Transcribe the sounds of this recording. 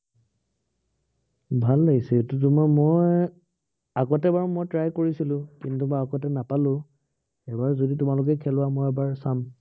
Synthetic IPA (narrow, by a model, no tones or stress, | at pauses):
bʱalːaɡisɛtutumɔmɔjj | akɔtɛbaɹmɔjtɹajkoɹisilʊ̃kintumɔjakɔtɛnapalʊ̃ | ɛbaɹzoditʊmalʊk̬ɛkʰɛlʊwamɔjɛbaɹsam